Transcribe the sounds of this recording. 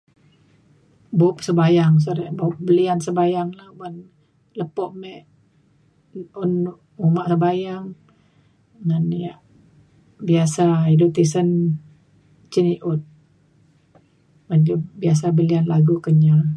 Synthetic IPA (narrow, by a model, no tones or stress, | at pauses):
bup̚səbajaŋs̬aɾɛʔbop̚bəliansəbajaŋlahban | ləpɔʔmɛʔ | unuʔumaʔsəbajaŋ | ŋanijaʔ | biasaidut̪isən | t͡ʃəniʔʊt̪̚ | band͡ʒubias̬abəlianlaɡukəɲa